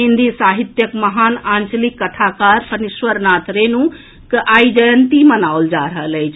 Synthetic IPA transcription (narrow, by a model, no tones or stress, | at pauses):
ind̪ʱisaɦit̪jəkməɦaːnant͡ʃlikːəʈʰakaɾpənisʋəɾnaːt̪ʰɾenu | kəʔaid͡ʒəjənt̪imənawld͡ʒaɾəɦələjt͡ʃʰ